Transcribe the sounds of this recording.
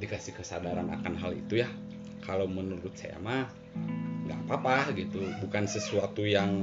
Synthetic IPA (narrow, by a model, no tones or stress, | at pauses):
dikasikəsadaɾana̰kanɦalḭt̪uja | kalawmənuɾʊt̪̚sa̰ja̰ma | ŋɡa̰papahɡit̪ubukansəsuat̪ujaŋ